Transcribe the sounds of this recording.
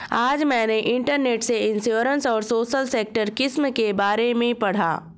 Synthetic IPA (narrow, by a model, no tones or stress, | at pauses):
aːd͡ʒmɛ̃ːneʔɪ̃ɳʈəɾneːʈseɪ̃nsjoːɾə̃nsɔːɾsoːʃəlseːk̚ʈəɾkɪsmkebaːɾẽmẽpɐɽ̤a̰ː